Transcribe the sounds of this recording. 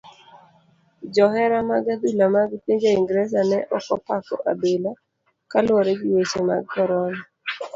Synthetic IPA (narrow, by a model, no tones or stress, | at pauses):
d͡ʒɔhɛɾamaɡad̪ulamaɡpiɲd͡ʒaiŋɡɾɛs̬anɛʔɔkɔpakɔ̰ʔa̰bela | kalwɔɾeɡiwet͡ʃema̰ɡ̚kɔɾɔna